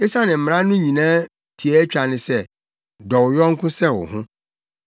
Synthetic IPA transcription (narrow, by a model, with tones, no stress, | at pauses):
e˦sa˦nɪ̃˨m̩˨m˨ɾã˦nʊ̃˦ɲĩ˨nãː˦ | tʰi˨ɛ˦t͡ɕᶣa˨nɪ̃˨sɛ˦˨ | dɔ˨wjɔ̃˦ŋ̩˦kʰʊ̃˦sɛ˦˨wʊ̰˨ɦʊ̃˦